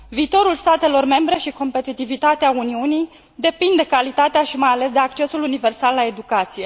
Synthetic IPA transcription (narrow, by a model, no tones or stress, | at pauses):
viːt̪o̞ɾulst̪at̪e̞lo̞rme̞mbɾe̞ʃiko̞mpe̞t̪it̪ivit̪at̪eauniunij | d̪e̞pind̪e̞kalit̪at̪eaʃimajale̞s̬d̪e̞akt͡ʃe̞sulunive̞rsalːae̞d̪ukat̪sije̞